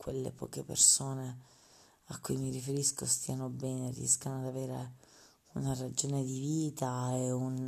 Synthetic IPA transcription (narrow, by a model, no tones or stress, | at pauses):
kwelːḛpɔ̰ːkepḛrsoːne | akːujmirifeɾiskost̪iːanobɛːnerḭɛ̰skanoad̪aveːɾḛ | unarad͡ʒoːned̪iviːt̪aɛun